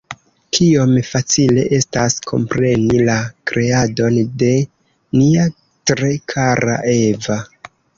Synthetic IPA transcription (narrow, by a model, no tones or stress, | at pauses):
kʰio̞mfat͡sile̞̰ʔe̞staskʰo̞̰mpɾe̞nilakɾe̞ado̞nde̞ | nia | tɾe̞kʰaɾa̰ʔe̞va